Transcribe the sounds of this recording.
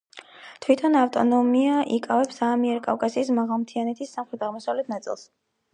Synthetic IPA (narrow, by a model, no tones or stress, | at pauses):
t̪ʰwit̪ʰɔnaft̪ʼɔnɔmiaʔikʼavɛpsamiɛɾɔkʼafkʼasiːsmaʁalˠmt̪ʰianɛt̪ʰisːamχɾɛt̪ʰaʁmɔsavlɛt̪̚ʰnat̪sʼḭlˠs